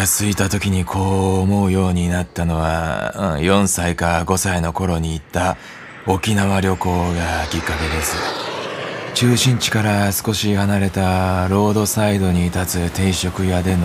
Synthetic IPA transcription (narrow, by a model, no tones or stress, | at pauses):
asɨit̪at̪o̞kʲiɲ̟ikʰo̞ːmo̞ɯ̟jo̞ːɲ̟inat̪ːano̞βã̰jõ̞ɰ̃saikaɡo̞saino̞ko̞ɾo̞ɲ̟iːt̪ːa | o̞kʲinaβaɾʲo̞ko̞ːɡakʲikːake̞d̪e̞sɨ | t͡ɕɨːɕĩɲ̟t͡ɕi̥kaɾasɨ̥ko̞ɕihanaɾe̞t̪aɾo̞ːd̪o̞said̪o̞ɲ̟it̪at͡sɨt̪e̞iɕo̞kɯ̟jad̪e̞no